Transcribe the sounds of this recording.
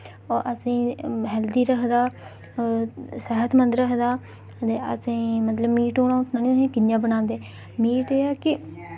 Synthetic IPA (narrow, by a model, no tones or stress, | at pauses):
ɔːʔəsĩːɦɛːld̪iːɾəkʰd̪aː | səɦət̪ʰmənd̪ɾəkʰd̪aː | t̪eːə̰sĩːmət̪ləbmiːʈoːɽãːʊsnaːnĩːsĩːkɪnjãːbənãːnd̪eː | miːʈeːaːkɪ